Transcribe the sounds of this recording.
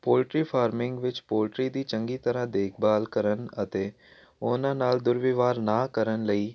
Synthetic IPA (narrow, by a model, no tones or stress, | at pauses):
poːlʈɾiːpʰaːɾmɪ̃ŋɡʋɪt͡ʃpoːlʈɾiːd̪iːt͡ʃə̃ŋɡiːt̪əɾãːd̪eːkʰbaːlkəɾənət̪eː | ʊnãːnaːld̪ʊɾʋɪʋaːɾnaːkəɾənləiː